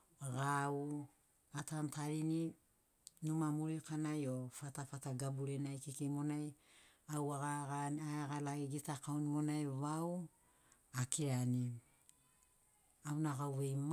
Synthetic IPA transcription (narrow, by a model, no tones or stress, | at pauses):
aɡau | atantaɾini | numamuɾikanajofatafataɡabuɾenajkikimo̞naj | awaɡaɡaaaɡalaɡiɡitakaonimo̞najβaw | akiɾani | awnaɡawβejm